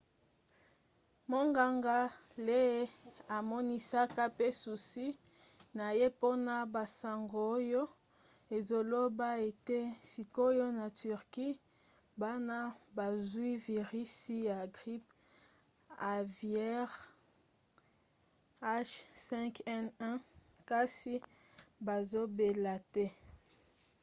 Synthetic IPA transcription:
mo˦ŋɡa˨ŋɡa˦le˦e˦a˨mɔ˦ni˦sa˦ka˦pe˦su˨si˦ | na˨je˦po˦na˦ba˨sa˨ŋɡo˨o˦jo˦ | e˨zo˨lo˦ba˦e˨te˦si˨ko˦jo˦na˨ty˨ʁki˦ | ba˦na˦ba˨zwi˦vi˨ʁi˦si˦ja˨ɡʁi˦p | a˨vjɛ˦ʁ | a˦ʃsɛ̃˦ŋkɛ˦nɛ̃˦ | ka˦si˦ba˨zo˦be˨la˨tɛ˦

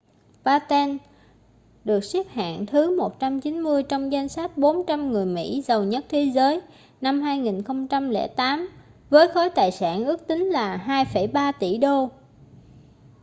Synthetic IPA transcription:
ɓaː˧t̪ɛ˧n | ɗɨ˨˩ək̚si˦˥p̚ha̰ː˧˨ŋt̪ʰɨ˨˦mo˨˩t̚t͡ɕa˧mt͡ɕi˨˦nmɨ˧əjt͡ɕɔ˧wŋ͡mza˧jŋsa˦˥t̚ɓo˨˦nt͡ɕa˧mŋɨ˨˩əjmḭ˧˥zə˨˩wɲə˦˥t̚t̪ʰe˨˦zəː˨˦j | na˧mhaː˧jŋi˨˩nxə˧wŋ͡mt͡ɕa˧mlɛ̰˧˥˩t̪aː˨˦m | vəː˨˦jxɔ˨˦jt̪aː˨˩jsa̰ː˧˩nʔɨ˦˥ək̚t̪ï˨˦ŋ̟laː˨˩ɦaː˧jfə˧˩jɓaː˧t̪ḭ˧˩ɗo˧

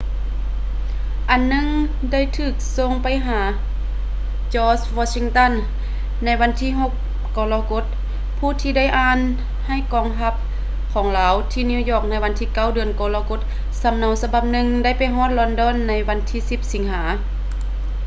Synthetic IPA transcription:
ʔa˨nːɯ˧˥˨ŋ | da˥˩˨jt̪ʰɯː˧˩k̚so˧˨ŋpa˨jɦaː˩˦ | t͡ɕɔː˧swɔː˧si˧ŋt̪a˧˥˨nː | a˧˥jwa˧˥nt̪ʰiː˧˥˨ɦo˧˦k̚ | kɔː˧laː˧ko˧˥t̪̚ | pʰuː˧˩t̪ʰiː˧da˥˩jʔaː˧˥n | ha˧˥˩jkɔː˧˦ŋɦa˧˥p̚ | kʰɔː˩˦ŋlaː˨˧˦wt̪ʰiː˧˨ni˧˨jɔː˧˩k̚na˧˥jʋa˧˥nt̪ʰiː˧˩˨ka˧˥˩wdɯ˧ənkɔː˧˦laː˧ko˧˥t̪̚ | sa˨˦mna˨˧˦wsa˧ba˧˩p̚nɯ˧ŋda˧˥˩jpa˨jɦɔː˧˥˨t̪̚lɔ˧ndɔː˧˥˨nːa˧˥jwa˧˥nt̪ʰiː˧˥˨si˧˦p̚si˨˦ŋɦaː˩˨˦

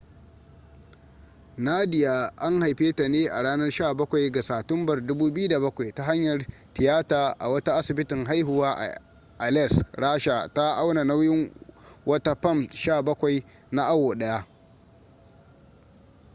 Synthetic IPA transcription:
na˦dɪ˨ja˨ʔa˦ŋha˨jɸeː˦ta˨neː˦ʔa̰˨ɽaː˦nɐ˦rʃaː˦˨bɐ˦kʷa˨jɡa˨saː˨tʊ˦mbɐ˨rdʊ˦buː˦bɪ˦ju˦da˨bɐ˦kʷa˨jta˦ɦa˦ɲjɐ˨r | tɪ˨jaː˦taː˨ʔa̰˨wɐ˦ta˦ʔa˦sɪ˨bɪ˦tɪ˨ŋɦa˦jɦʊ˨waː˦ʔ | ʔa˨lɛ˦˨sɽaː˦ʃa˨ta˦ʔa˦wna˨na˦wjɪ˦ŋwɐ˦ta˦ɸɐ˦˨mʃaː˦˨bɐ˦kʷa˨j | na˦ʔa˦wo˨ɗɐ˦ja˦ʔ

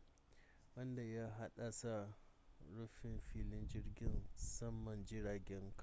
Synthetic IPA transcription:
wɐ˦nda˨ja˦ɦa˦ɗa˨sa˨ | ɾu˦ɸɪ˨mɸiː˦lɪ˦nd͡ʒɪ˦rɡʲɪ˦nsɐ˦mːɐ˨nd͡ʒɪ˦ɾaː˨ɡʲɛ˦ŋka˦˨

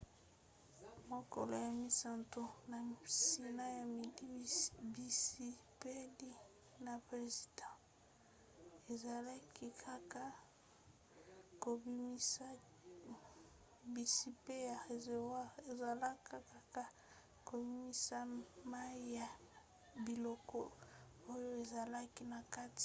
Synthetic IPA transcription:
mo˨ko̰˨lo˨ja˨mi˨˦sa˨nto˦na˨si˦na˦ja˨mi˨˦bi˦pe˦li˦ | na˨pʁe˨zi˨dɑ̃˦ | e˨za˨la˦kʰi˦kʰa˦ka˦ | ko˨bi˦mi˦sa˦ | bi˨si˦pe˦ja˨ʁe˨ze˨wa˦e˨za˨la˦ka˦ka˦ka˦ | ko˨bi˦mi˦sa˦ma˦i˦ja˨ | bi˨lɔ˦kɔ˦ | o˦jo˦e˨za˨la˦ki˦na˨ka˦ti̥˦˨

